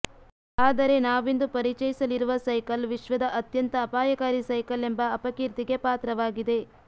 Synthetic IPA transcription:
aːd̪ɐɾe̞naːʋind̪upɐɾit͡ʃɐjisɐliɾuʋɐsɐjkɐlʋiʃʋɐd̪ɐʔɐt̪jɐnt̪ɐːpaːjɐkaːɾisɐjkɐle̞mbɐːpɐkiɾt̪iɡe̞paːt̪ɾɐʋaːɡid̪e̞

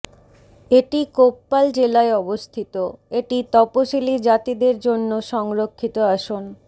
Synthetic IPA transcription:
eʈikopːald͡ʑelaeɔbost̪ʰit̪oeʈit̪ɔpoʃilid͡ʑat̪id̪eɾd͡ʑonːoʃɔŋɾokʰːit̪oaʃon

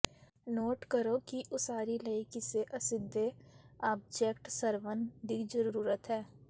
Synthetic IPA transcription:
noːʈkəɾokiʔʊsaːɾilɐɪkiseʔɐsɪd̪ʱːeaːb̚d͡ʒeːkʈsəɾʋənd̪id͡ʒəɾuːɾət̪ɦɛː

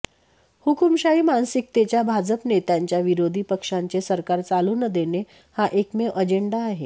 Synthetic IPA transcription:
hukumɕaiːmansik̚t̪et͡ɕjabʱad͡zəpnet̪jaɲt͡ɕjaʋiɾod̪ʱiːpəkʂaɲt͡sesəɾkaɾt͡saluːnəd̪ene | haʔekmeʔəd͡ʑeɳɖaːɦe

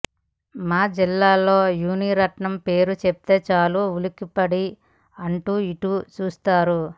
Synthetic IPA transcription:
maːd͡ʒilːaːlːo̞ːjuːniɾɐʈɳɐmpe̞ːɾut͡ʃep̚t̪e̞ːt͡ʃaːloːulikipɐɽi | ɐɳʈuːiʈut͡ʃuːst̪aːɾu

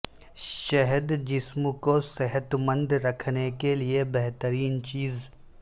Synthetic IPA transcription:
ʃɛɦəd̪d͡ʒɪsmkosɛɦət̪mə̃nd̪ɾɐkʰnekeliebɛɦt̪əɾiːnt͡ʃiːz

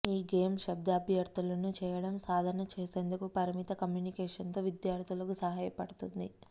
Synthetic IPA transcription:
iːɡeːmʃɐb̚d̪ɐːbʱjɐɾt̪ulɐnut͡ʃɛːjɐɽɐmsaːd̪ʱɐɾnɐt͡ʃeːse̞ːnd̪ukupɐɾimit̪ɐkɐmjuːnikeːʂɐnt̪o̞ːʋid̪jaːɾt̪ʰulɐkusɐɦaːjɐpɐɽut̪und̪i

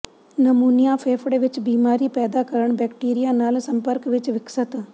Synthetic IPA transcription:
nɐmuːnijapʰeːfʰɽʋɪt͡ʃbiːmaːɾipɛːd̪akɐɾəɳ̃bɛːkʈiːɾijanaːlsɐ̃mpəɾkʋɪt͡ʃʋɪksət̪

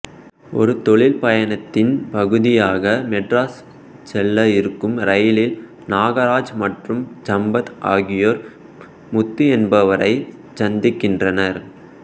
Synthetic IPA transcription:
ɔ̰ɾɯt̪ɔɭɪlpɐjɐnɐt̪ːɪnpɐɣɯðɪjaːɣɐmɛʈɾaːs | sɛlːɐɪɾɯkːɯmɾɐjɪlɪl | naːɣɐɾaːd͡ʒmɐʈrɯmt͡ʃɐmbɐt̪aːɣɪjoːɾ | mʊt̪ːiɛnbɐʋɐɾɐɪ | t͡ʃɐnd̪ɪkːɪndrɐnɐɾ

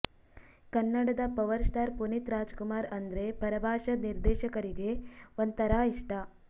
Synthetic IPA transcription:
kɐnːɐɽɐd̪ɐpɐʋɐɾsʈaːɾpunit̪ɾaːd͡ʒkumaːɾɐnd̪ɾe̞pɐɾɐbʱaːʃɐniɾd̪ɛːʃɐkɐɾiɡe̞ʋɐnt̪ɐɾaːiʂʈʰɐ

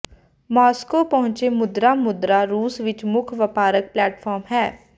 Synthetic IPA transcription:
mɔːskoːpəɦʊ̃ɲt͡ʃemʊd̪ɾamʊd̪ɾaːɾuːsʋɪt͡ʃmʊkʰʋəpaːɾək̚plɛːʈfʰɔːɾmɦɛː

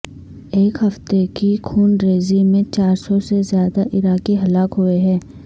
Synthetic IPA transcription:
eːkɦɐft̪ekikʰuːnɾeːzimẽt͡ʃaːɾsɔsezjaːd̪aʔɪɾaːkiɦɐlaːkɦʊeɦɛ̃ː

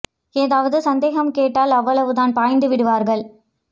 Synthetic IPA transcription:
eːðaːʋɐðɯsɐnd̪eːɣɐmkeːʈːaːlɐʋːɐɭɐʋɯðaːnpaːjnd̪ɯʋɪɽɯʋaːɾɣɐɭ

